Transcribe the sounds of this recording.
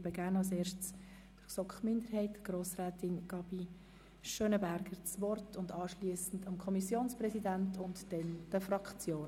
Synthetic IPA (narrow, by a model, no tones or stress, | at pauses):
bəɡæɾnɑls̬eːɾʃtt͡s | d̥əsɔkχmʏndəɾɦɛɪtɡ̥roːsrɛːtɪnɡ̥ɑb̥i | ʃøːnəbæɾɡ̥əɾt͡sʋɔrtʰʊndɑːʃliəsn̩dɑmkʰɔmisjoːnsprɛsidæntʰʊntd̥ɛnd̥əfrɑkt͡sjoː